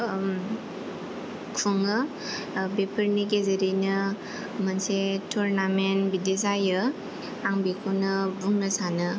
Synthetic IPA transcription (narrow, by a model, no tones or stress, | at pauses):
kʰuŋɯ | bepʰəɾnik̬ezeɾinɯ | mansetʰuɾnamenbidezajɯ | aŋbikʰonɯbuŋnɯsanɯ